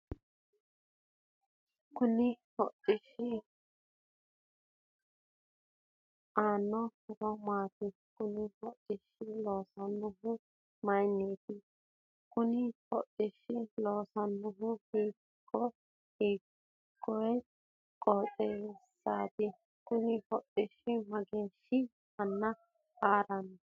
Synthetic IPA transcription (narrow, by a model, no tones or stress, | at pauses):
kunĩhoʔt̪iʃi | anõhkomãt̪i | kunĩhoʔt̪ʼiʃilosanũɦũ | majnĩt̪i | kʊnɪhɔtʼːɪʃːɪloːsɐnːʊɦʊbiː | kʰːɔ | hiː | kːɔj | kʼoːt͡sʼɛsaːt̪ɪ | kʊnɪhɔtʼːɪʃɪmɐɡeʃɪ | hɐnːɐ | kaːɾɐn